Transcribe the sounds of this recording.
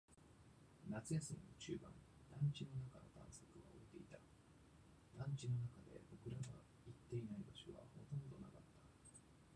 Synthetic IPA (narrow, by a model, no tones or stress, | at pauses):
nat͡sɨjasɨɲʲinot͡ɕɨːbã̰n | d̪̥ãɲ̟t͡ɕino̞nakano̞t̪ã̰ɰ̃sokɯ̟βa̰oet̪e̞it̪a | d̪̥ãɲ̟t͡ɕino̞nakad̪e̞̰bo̞kɯ̟ɾaɡ̪a̰ | it̪ːe̞inaibaɕoβa̰ho̞t̪õ̞nd̪o̞nakat̪ːḁ